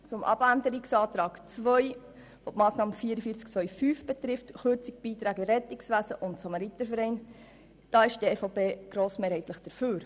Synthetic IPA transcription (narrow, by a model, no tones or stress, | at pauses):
t͡sʊmʔɑ̰b̥ændəɾiksɑːt̪ɾɑːɡt͡sʋœj | ʋopmɑːsnɑːməfiːəɾəfiət͡sk̚t͡sʋœjfyːfb̥ɛtɾɪftχøɾt͡sik̚b̥iːtɾæːɡəɾɛtɪksʋæːsəʔʊntsɑmɑɾit̪əfəɾɛɪn | d̥ɑːɪʃdieːfɑpeːɡ̥ɾoːsmeːɾhɛɪjtləχd̥əɾføːɾ